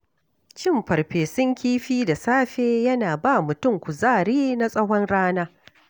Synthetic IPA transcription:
t͡ʃɪ˦˨mɸɐ˨ɾɸeː˨sʊ˦ŋkʲiː˦ɸiː˦da˨saː˦ɸeː˦jɐ˦naː˨ba˦mʊ˨tʊ˦˨ŋkʷʊ˨zaː˦˨ɾiː˦na˦sʼɐ˦ɦɔ˦nɽaː˦naː˦

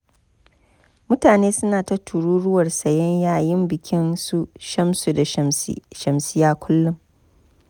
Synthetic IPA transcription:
mʊ˦taː˨neː˦sʊ˦naː˨tɐ˦tʰu˨ɾuː˦ɽʊ˦wɐ˨rsɐ˨jɐ˦ɲjaː˦˨jɪ˦mbɪ˨kʲɪ˦nsu˦ʃɐ˦msu˨da˨ʃɐ˨msɪ˦jaː˦kʷʰʊ˦lːʊ˦m

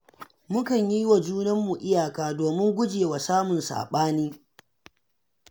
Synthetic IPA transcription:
mʊ˦kɐ˨ɲji˦wa˨d͡ʒuː˦nɐ˦mːu˨ʔɪ˦jaː˨kaː˨˦doː˨mɪ˦ŋɡʷʊ˦d͡ʒeː˨wa˨saː˦mʊ˨nsa̰ː˨ɓaː˦niː˦

